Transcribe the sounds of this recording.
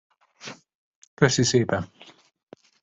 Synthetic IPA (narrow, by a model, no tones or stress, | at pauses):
køsiseːpɛn